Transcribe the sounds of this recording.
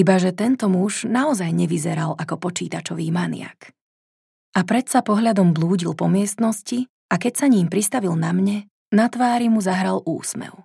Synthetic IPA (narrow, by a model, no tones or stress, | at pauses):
ibaʒɛt̪ɛnt̪ɔmuʒnaɔzajɲɛʋizɛɾalʔakɔpɔt͡ʃiːt̪at͡ʃɔʋiːmanɪ̰a̰k | ʔapɾɛt̪sapɔɦʎad̪ɔmbluːɟilpɔmɪɛst̪nɔsci | akɛcsaɲiːmpɾist̪aʋilnamɲɛ | nat̪ʋaːɾimuzaɦɾalʔṵːsmɛ̰ʊ